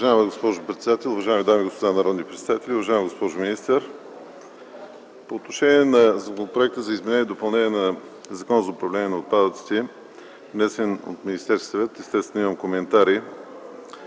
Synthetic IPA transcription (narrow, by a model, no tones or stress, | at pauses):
ʊvɐʒajməɡospɔʒʊpɾɛt̪sɛd̪at̪ɛlˠʊvɐʒaɪmid̪ajmiɡospod̪anɐɾɔd̪nipɾɛt̪sɛd̪at̪ɛlʲiʊvɐʒaɪmɡospɔʒʊminist̪ɛɾ | poːt̪noʃɛnʲiɛnɐzɐkonpɾoɛk̚t̪əzɐizmɛnɛniɛd̪opɐlˠnɛnʲiɛnɐ | zɐkɔnzɐʊpɾɐvlɛnʲiɛnɐot̪̚pad̪ət̪si̥t̪ɛ | vnɛsɛno̰t̪minist̪ɛɾskʲi̥sɐvɛt̪ɛst̪ɛst̪vɛniməmkomɛnt̪aɾi